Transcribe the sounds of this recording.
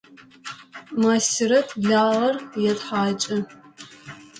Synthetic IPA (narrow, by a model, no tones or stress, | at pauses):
maːsɪɾɐtʰɮaːʁɐrjɛtħaːt͡ʃʼɐ